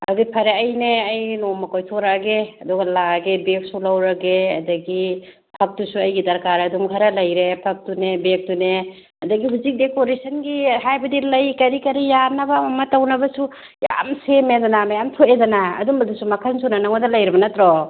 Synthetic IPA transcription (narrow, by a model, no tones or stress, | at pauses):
ɐ̰ɡipʰɐɾeɐjneɐjnomɐkojtʰoɾaɡeɐduɡɐlaɡebek̚sulɐwɾɐɡeɐ̰dɐɡi | pʰɐk̚tusuɐjɡidɐɾkaɾɐdumɡʰʱaɾɐlɐjɾepʰɐk̚tunebek̚tune | ɐdɐɡiɦuzik̚dekoɾesʰɐnɡiɦajbɐdilɐjkɐɾikɐɾijanɐbɐmɐmɐtɐwnɐbɐsu | ja̰msemedanamajamtʰoedɐna̰ːdumɐdusumɐkʰansunanaŋɔdɐlɐjɾɐbɐnɐtɾɔ